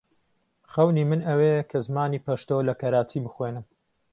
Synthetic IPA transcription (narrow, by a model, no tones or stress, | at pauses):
χɐwnimɨnɐwekʰɐzmaːniːpʰɐʃt̪olɐkɐɾaːt͡sʰiːbɨxweːnɨm